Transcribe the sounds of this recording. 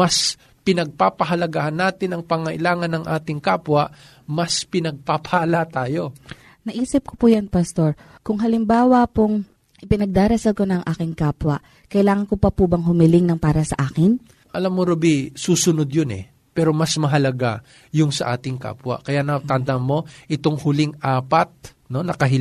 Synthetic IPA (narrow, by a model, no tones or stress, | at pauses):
mɐs | pɪnɐɡ̚paːpɐɦɐlɐɡahɐnːaːt̪ɪnɐŋpaŋɐʔɪlaːŋɐnːɐŋʔaːt̪ɪŋkaːpwɐʔ | mɐspɪnɐɡ̚papɐhalat̪aːjo̞ | nɐʔiːsɪp̚ko̥pujɐnpɐst̪o̞ɹ | kʊŋɦɐlɪmbaːwɐpoŋ | ʔɪpɪnɐɡ̚d̪aːɾɐsɐlkonɐŋʔaːkɪŋkaːpwɐ | kɐʔɪlaːŋɐnkopɐpubɐŋɦʊmɪlɪŋnɐŋpaːɾɐsɐʔaːkɪn | ʔɐlamːoɾobisuːsʊnod̪jonɛ̰ | pɛːɾo̞mɐsmɐɦɐlɐɡa | jʊŋsɐʔaːt̪ɪŋka̰ːpwɐ̰kɐjaʔnɐt̪ɐnd̪ɐŋmo̞ʔɪt̪o̞ŋhʊlɪŋʔaːpɐt̪̚ | no̞nɐkɐɦɪ